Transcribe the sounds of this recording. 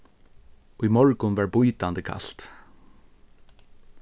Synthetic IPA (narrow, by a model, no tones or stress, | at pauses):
ujmɔɹkʊnʋæɹbujt̪and̪əkʰa̰ɬt̪